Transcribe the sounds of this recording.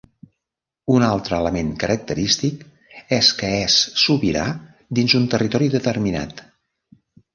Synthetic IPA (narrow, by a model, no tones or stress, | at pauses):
unalˠt̪ɾəːləmeŋkəɾək̚t̪əɾist̪ik | ɛskəɛsːuβiɾa̰ | d̪inzunt̪ərit̪ɔɾiðət̪ərmina̰t̪